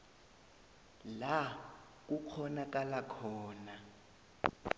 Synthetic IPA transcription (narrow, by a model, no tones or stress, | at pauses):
la | k̬uk͡xʰɔnak̬ʼalakʰɔːna